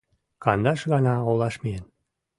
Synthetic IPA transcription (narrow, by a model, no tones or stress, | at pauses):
kɑnd̪ɑʃɣɑnɑolɑʃmijen